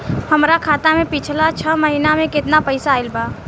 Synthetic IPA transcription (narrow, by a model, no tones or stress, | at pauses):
həmɾakʰaːt̪amẽpit͡ʃʰlat͡ʃʰəməɦinamẽkɪt̪napəɪsaːɪlba